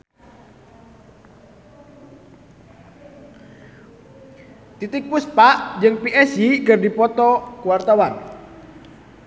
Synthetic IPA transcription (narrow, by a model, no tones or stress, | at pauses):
t̪it̪ɪk̚puspaʔd͡ʒɨŋpiʔɛsikərdipɔt̪ɔkuwart̪awan